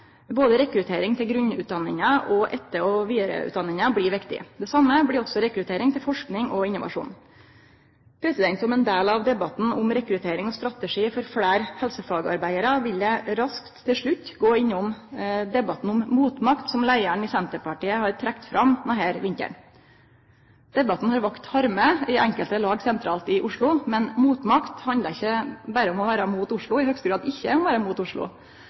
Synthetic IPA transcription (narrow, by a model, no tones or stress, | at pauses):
boːd̪əɾɛkɾʉt̪ʰeːɾɪŋt̪ʰɪlɡɾʉnʉ̰ːt̪̚d̪ɑnːɪŋəʔɔʔɛt̪ːəɔʋiːɾə̰ʉ̰ːd̪ɑnːɪŋəbɽiɪɾʋɪkt̪ɪ̰d̪ɛsɑmːəblɪɾɔsɔɾɛkɾʉt̪ʰeːɾɪŋt̪ʰɪlfɔʂknɪŋɔɪnːʊʋɑ̰ʂṵːn | pʰɾɛsɪd̪ɛnt̪sɔmɛnd̪eːlɑʋd̪ɛbɑt̪n̩ʊmɾɛkɾʉt̪ʰeːɾɪŋɔst̪ɾɑt̪əʂiːfɔɾfɽæːɾhɛlsəfɑːɡəɑ̰ɾbæɪəɾɑʋɪləɾɑskt̪ʰːɪlʂɭʉt̪ːɡoːɪnːɔmd̪ɛbɑt̪n̩ʊmmuːt̪mɑkt̪sɔmlæɪæɳɪsɛnt̪əpɑʈiːəhɑɾʈ̪ʰɾɛkt̪fɾʔɑmnɔheːɾʋɪŋkə̰ɳ | d̪̥ɛbɑt̪n̩hɑɾʋɑkt̪hɑɾməɪʔɛŋkəlt̪əlɑːɡsɛnt̪ʰɾɑːlt̪ɪʔʊʂɭʊmɛnmuːt̪mɑkt̪hɑnd̪əɪçːəbæɾəɔmɔʋæːɾəmuːt̪ʊʂɭʊɪhœɡst̪əɡɾɑːd̪ɪçːə̰ɔmʋæːɾəmuːt̪ʊʂɭʊ̰